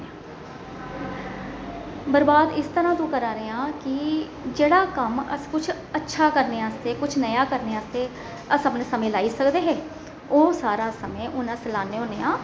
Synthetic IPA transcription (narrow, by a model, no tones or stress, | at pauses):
bəɾbaːd̪ɪst̪əɾãːt̪õːkəɾaːɾeːãːkɪ | d͡ʒeːɽaːkəmə̰skʊt͡ʃʰ | ətːʃʰaːkəɾneːaːst̪eːkʊt͡ʃʰnəjaːkəɾneːaːst̪eː | əsəpənsəmẽːlaːiːsəkd̪eːɦɛː | oːsaːɾaːsəmẽːʔʊnãslaːneːɦõːneːãː